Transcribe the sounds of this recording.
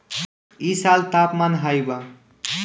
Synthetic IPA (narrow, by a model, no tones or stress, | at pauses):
isalt̪apmanɦajba